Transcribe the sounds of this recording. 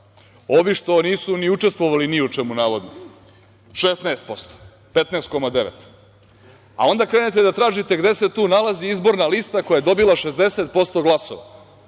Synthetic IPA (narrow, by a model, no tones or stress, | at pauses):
o̞ʋiʂt̪o̞niːsuniut͡ʂest̪ʋoʋaliniut͡ʂemunaːʋo̞d̪no | ʃesnaːst̪̚po̞st̪o̥ | pet̪naːst̪̚ko̞mad̪eʋet̪ | a̰o̞nd̪akɾe̞ːnet̪̬ed̪at̪ɾaːʒit̪e̞ɡd̪e̞set̪uːnalaziizbo̞ɾnalist̪akojajed̪o̞bilˠaʃezd̪eset̪̚po̞st̪o̞ɡlˠaso̰ʋa̰